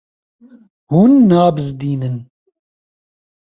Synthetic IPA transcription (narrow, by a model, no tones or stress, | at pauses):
hunːaːbɨzd̪iːnɨn